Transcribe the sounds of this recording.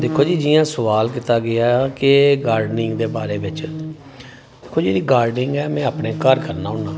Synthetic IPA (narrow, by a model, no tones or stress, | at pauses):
d̪ɪkʰːoːd͡ʒiːd͡ʒiːjãːsəʋaːlkɪt̪aːɡɪaːkɪɡaːɾɖnɪ̃ŋɡd̪eːbaːɾeːʋɪt͡ʃ | d̪kʰːoːd͡ʒeːɽiːɡaːɾɖɪŋɡɛːmɛ̃ːaːpneːkəɾkəɾnaːʊnnaː